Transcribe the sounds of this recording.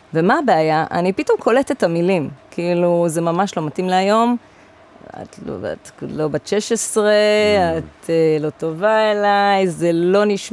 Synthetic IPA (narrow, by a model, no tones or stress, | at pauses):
vemaːbeajaʔa̰nipito̞mkʰo̞letetamilimkʰiiluzemamaʃlo̞matimleajo̞m | a̰to̰a̰tlo̞baʃeʃesʁeat̪elo̞to̞vaelajzelo̞niʃ